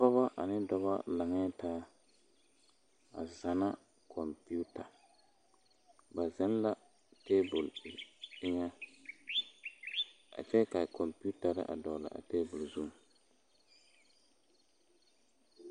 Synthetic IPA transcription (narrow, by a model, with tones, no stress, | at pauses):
pɔ˦βa˦ʔa̰˨nɪ˦dɔ˦βa̰˦la˨ŋɛː˦taː˦ | a̰˨za˨na˦ | kʰɔ˨mpi˦u˦ta˨ | ba˨zɛ˦n˦la˨ | teː˦bʊ˨lɪ˦ŋa˦ | a̰˨t͡ʃɛ˦ka˨kʰɔ˨mpu˦ta˨ɾɪ̰˦ʔa̰˨dɔ˨la̰˨ʔa̰˨teː˦bʊ˨lzu˦˨